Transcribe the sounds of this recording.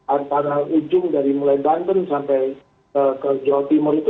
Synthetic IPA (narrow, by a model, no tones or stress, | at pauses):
ant̪aɾaud͡ʒʊŋdaɾimulajband̪ənsampaj | əkəd͡ʒawat̪imɔɾit̪